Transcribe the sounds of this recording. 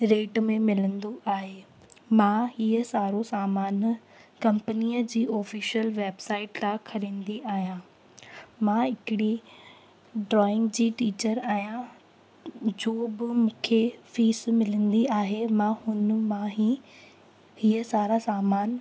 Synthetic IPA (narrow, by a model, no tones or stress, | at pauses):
ɾeːʈmẽmɪlə̃nd̪oʔaːɦeː | mãɦiːəsaːɾosaːmaːn | kɐ̃mpəniːəd͡ʑiːɔːfiːʃəlʋeːbsaːɪʈt̪akʰɐɾẽːn̆d̪iʔaːɦijã | mãɪkɪɽi | ɖɾɔːɪ̃ŋɡd͡ʑiːʈiːt͡ɕəɾaːɦijã | d͡ʑoːbɪmũːkʰefiːsmɪlə̃nd̪iaːɦemãhʊn̆mãɦi | hiəsaːɾasaːmaːn